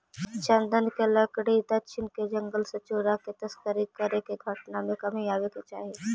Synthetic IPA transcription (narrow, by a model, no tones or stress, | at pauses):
t͡ʃə̃nd̪ənkelɐkɽid̪ɐtːt͡ʃʰɪnked͡ʒɐŋɡəlsɐt͡ʃoːɾaket̪ɐskəɾikːəɾekeɡʱɐʈnamẽkɐmiaːʋeket͡ʃaːɦe